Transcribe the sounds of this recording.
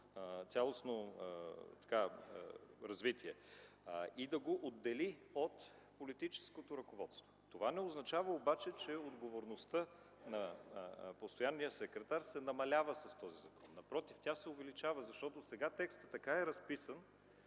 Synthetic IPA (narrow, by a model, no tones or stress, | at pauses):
t̪sʲalˠosno | t̪ɐ̥ka | ɾɐzvit̪iɛ | id̪ɐɡoʔod̪ːɛliot̪ | polit̪it͡ʃɛ̥skot̪oɾɐkovɔt̪st̪vo̥t̪ovanɛoznɐt͡ʃavəobat͡ʃɛt͡ʃɛod̪ɡovoɾnost̪ɤ | nɐ | post̪ojanːijəsɛkɾɛt̪aɾsɛnɐmɐlʲavəsɐst̪ɔzizɐkɔnːɐpɾɔt̪iftʲasɛovɛlit͡ʃavəzɐʃt̪ɔt̪osɛɡat̪ɛkst̪ə̥t̪ːɐkaɛɾɐspisən